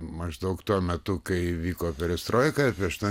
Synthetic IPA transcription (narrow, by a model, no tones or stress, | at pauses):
mɐʒd̪ɐʊkt̪uɔmʲɛt̪ʊkɐɪʋʲiːkoːpʲɛɾʲɛst̪ɾoːjkɐpʲiɛʃt̪ɐ